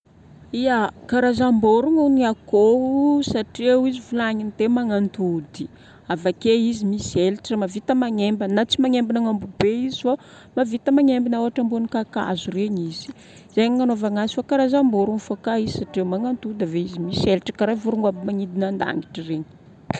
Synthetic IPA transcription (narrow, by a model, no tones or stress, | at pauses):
iakaɾazamboɾuŋaniakouusaʈ͡ʂwizivulaŋint̪emaŋant̪ud̪i̥ | avakeizimiselʈ͡ʂəmavit̪əmaŋembənat͡simaŋembinaŋambubeizifa | mavit̪əmaŋembinawaʈ͡ʂambunikaka̰zureɲizi̥ | zejɲiŋanovaŋasifakaɾazamboɾuŋfakaizi̥saʈ͡ʂemaŋant̪ud̪aveizimiselʈ͡ʂə̥kaɾajvuɾuŋabimaŋid̪inand̪a̰ŋiʈ͡ʂireɲi̥